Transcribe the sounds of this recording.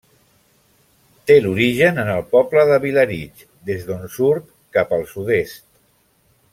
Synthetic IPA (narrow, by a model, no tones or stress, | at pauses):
t̪eluɾiʒənənəlˠpɔpləðəβiləɾit͡ʃ | d̪ezðonsuɾt̪ | kapəlˠsuðest̪